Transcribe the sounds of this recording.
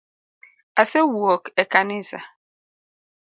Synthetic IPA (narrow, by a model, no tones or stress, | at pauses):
asewuɔkekanisa̰